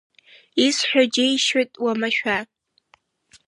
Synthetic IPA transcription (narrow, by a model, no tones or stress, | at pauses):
isħʷᶣad͡ʒejʃatʼwamaʃᶣa